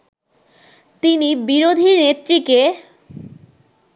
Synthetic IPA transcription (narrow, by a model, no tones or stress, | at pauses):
t̪inibiɾod̪ʱinet̪ːɾike